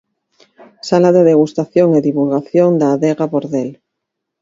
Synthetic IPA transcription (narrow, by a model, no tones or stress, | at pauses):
salaðeðeɣ̞ust̪aθjoŋeðiβulɣaθjond̪aːðeɣapoɾðel